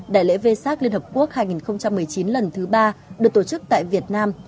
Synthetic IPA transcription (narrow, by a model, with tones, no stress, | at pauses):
ɗa̰ː˧˨jlḛ˧˥ve˧saː˦˥k̚li˧ənhə˨˩p̚ku˦˥ək̚haː˧jŋi˨˩nxə˧wŋ͡mt͡ɕa˧mːɨ˨˩əjt͡ɕi˨˦nlə˨˩nt̪ʰɨ˨˦ɓaː˧ɗɨ˨˩ək̚t̪o˧˩t͡ɕɨ˦˥k̚t̪a̰ː˧˨jvi˨˩ət̚naː˧m